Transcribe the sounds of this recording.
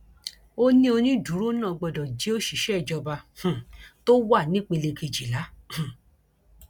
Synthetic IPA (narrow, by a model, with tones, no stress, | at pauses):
o˦nĩ˦o˧nĩ˦du˨˦ɾu˦nã˦˨˧ɡ͡bɔ˧˨dɔ˨d͡ʒe˨˦o˦ʃi˨ʃɛ˦˨d͡ʒɔ˧ba˧h̩˨to˦wa˦˨nĩ˦k͡pe˧le˧ke˧˨d͡ʒi˨la˨˦h̩˨